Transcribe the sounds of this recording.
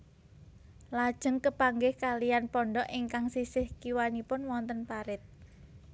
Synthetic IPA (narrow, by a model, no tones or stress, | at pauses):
lad̥ʒ̥əŋkəpaŋɡɪhkalijanpɔɳɖɔʔiŋkaŋsisɪhkiwanipʊnwɔnt̪ənpaɾɪt̪̚